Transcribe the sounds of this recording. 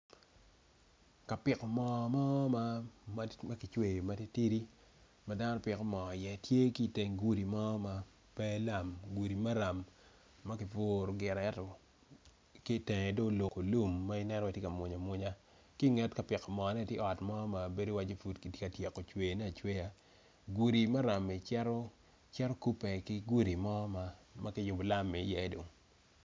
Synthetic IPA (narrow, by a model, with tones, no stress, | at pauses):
ka˨pɪ˨kɔ˨mɔ˨mɔ˦ma˦m˦ma˦kɪ˨t͡ʃwe˨ma˦te˦ti˦ɾi˦ | ma˦da˦nɔ˦pɪ˨kɔ˦mɔ˨jɛ˨tje˦ki˦˨te˨ŋɡu˨ɾi˨mɔ˦ma˦ | pɛ˦la˨mɡu˨ɾi˨ma˦ɾa˨mː | a˦kɪ˨fo˦ɾo˨ɡɪ˨ɾa˨ɛ˦tɔ˨ | kɪ˦tɛ˨ŋɛ˨do˦lo˨ko˨lu˦mːa˦ɪ˦nɛ˦nɔ˦i˨tje˦ka˨mʊ˨ɲa˨mʊ˦ɲa˦ | ki˦ŋɛ˦tka˨pɪ˨kɔ˨mɔ˨nɛ˦˨tje˦ɔ˨tmɔ˦ma˨be˦do˦wa˦d͡ʒe˦fu˨tki˨tje˦ka˨tje˨ko˨t͡ʃwe˨nɛ˦a˨t͡ʃwe˦ja˨ | ɡwu˨ɾi˨ma˦ɾa˨mi˨t͡ʃɛ˦ɾɔ˦ | t͡ʃɛ˦ɾɔ˦ku˦pɛ˨kɪ˦ɡu˦ɾi˨mɔ˦ma˨ma˦kɪ˦jʊ˨bo˨la˦mːɛ˨˦jɛ˦do˨ŋ